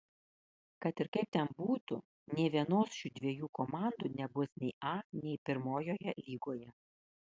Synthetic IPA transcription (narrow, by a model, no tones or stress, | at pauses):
kɐt̪ɪɾkɐɪp̚t̪ʲɛnbuːt̪ʊ | nʲɛɪʋʲiɛnoːsʃʲuːd̪ʲʋʲiɛjuːkɔmɑˑnd̪uːnʲɛbʊsnʲɛɪʔɑːnʲɛɪpʲɪɾmoːjoːjɛlʲiːɡoːjɛ